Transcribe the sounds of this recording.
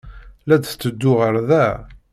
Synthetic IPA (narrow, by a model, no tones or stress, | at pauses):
læd̪t͡sːəd̪ːʊʁəɾðæ